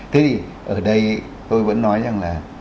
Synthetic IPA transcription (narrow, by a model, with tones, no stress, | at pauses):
t̪ʰe˨˦vi˨˩ | ʔəː˧˩ɗə˧j | t̪o˧jvə̰˧˥nːɔ˨˦jza˧˩ŋlaː˨˩